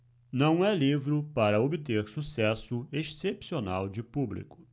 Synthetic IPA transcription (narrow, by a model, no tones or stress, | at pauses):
nɐ̃w̃ɛlivɾʊpaɾɐobɪt̪eɾsusɛsʊeʃsepsiona̰wd͡ʒɪpublḭkʊ̥